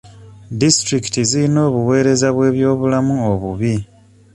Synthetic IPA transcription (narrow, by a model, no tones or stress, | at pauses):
distɾiki̥tiziɾino̞ːβuwe̞ːɾe̞zaβwe̞ːβjo̞ːβulamuoβuβi